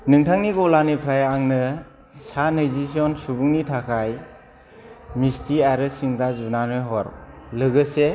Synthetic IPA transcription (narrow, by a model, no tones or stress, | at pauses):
nɯŋtʰaŋniɡɔlanipʰɾajaŋnɯ | sanɯjzis̬ɔnsubuŋnitʰakʰaj | mistʰiaɾɯsiŋɾazunanɔjɦɔɾlɯɡɯse